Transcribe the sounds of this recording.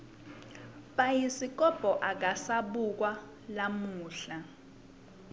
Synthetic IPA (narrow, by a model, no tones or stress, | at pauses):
ɓajisikʼɔb̥ʱɔʔak̬asaɓuk̬wa | lamuːɬa